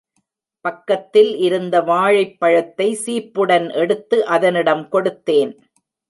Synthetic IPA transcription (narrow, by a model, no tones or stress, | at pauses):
pɐkːɐt̪ːɪlʔɪɾɯnd̪ɐʋaːɻɐɪpːɐɻɐt̪ːɐɪsiːpːɯɽɐnʔɛɽɯt̪ːɯʔɐðɐnɪɽɐmkɔɽɯt̪ːeːn